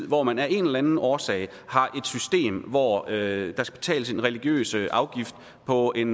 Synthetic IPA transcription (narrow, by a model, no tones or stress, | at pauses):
ð̰ˠʋɒmænæɐe̝nelænn̩ʔɒːsɛ̰ɪ | hɑ̈ʔe̝d̥sysd̥e̝̰ːmʋɒød̥ɑ̈sɡ̥æ̥b̥e̝t͡sʰɛ̰ːləse̝nʁɛliɡ̥jø̰ːsəʔɑ̈ʊɡ̥ifd̥ | pʰɒ̽e̝n